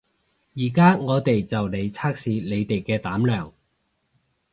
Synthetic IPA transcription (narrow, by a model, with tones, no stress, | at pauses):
jiː˨˩kaː˥ŋɔː˨˧t̪e˨jt͡sɐ˨wne˨˧jt͡sʰaː˥k̚siː˨˧le˨˧jt̪e˨jkɛː˧t̪aː˨˥mlœː˨˩ŋ